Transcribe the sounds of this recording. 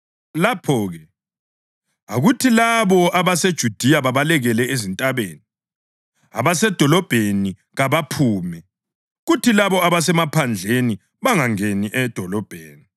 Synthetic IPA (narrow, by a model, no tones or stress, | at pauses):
lapʰɔːɣɛ | aɣutʰilaβɔʔaβased̥ʒ̥ʱud̥ʱiaβaβalɛɣɛlɛezintʼaβeːni | aβasɛd̥ʱɔlɔb̥ʱeni | ɣaβapʰuːmɛ | ɣutʰilaβɔaβasɛmapʰand͡ɮʱeni | βaŋaŋeniʔɛd̥ʱɔlɔb̥ʱeːni